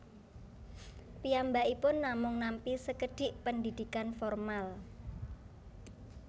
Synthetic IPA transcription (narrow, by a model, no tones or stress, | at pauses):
piambaʔipʊnːamʊŋnampisəkəɖ̥ɪ̤ʔpənd̪id̪̥ikanfɔrmal